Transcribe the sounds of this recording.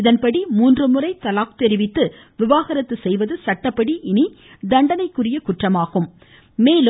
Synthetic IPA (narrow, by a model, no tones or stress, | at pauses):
ɪðɐnpɐɽimuːndrɯmɯrɐɪt̪ːɐlaːk̚t̪ɛɾɪʋɪt̪ːɯ | ʋɪʋaːɣɐɾɐt̪ːɯsɛjʋɐðɯsɐʈːɐpːɐɽiʔɪni | d̪ɐɳɖɐnɐɪkːɯrɪjɐkʊʈrɐmaːɣɯmː | eːlɯ